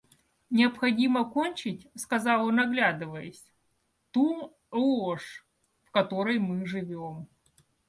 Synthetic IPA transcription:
nʲɪɐpxɐdʲiməkonʲt͡ɕɪtʲskɐzɑlˠonɐɡlʲad̪ɨvəjə̰sʲ | t̪u | lˠoʂ | fkɐt̪o̞ɾəjmɨʐɨvʲom

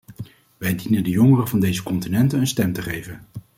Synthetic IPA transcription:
ʋɛjdinəndəjɔŋərəvɑndejzəkɔntinɛntənənstɛmtəχejvən

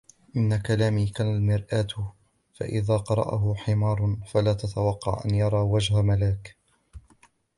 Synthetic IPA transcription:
ʔɪnːakalaːmiːkaːnalmɪɾʔaːt̪ | fa̰ʔɪðaːqɑɾˤɑ̰ʔa̰ɦʊħɪmɑːɾˤfalaːt̪at̪awɑqːɑ̰ʕʔa̰njɑɾˤɑːwad͡ʒhamalaːk

